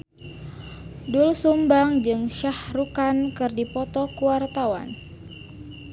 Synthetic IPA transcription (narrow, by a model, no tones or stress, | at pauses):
dulsumbaŋd͡ʒɨŋʃahrukankɨrdipɔt̪ɔkuwart̪awa̰n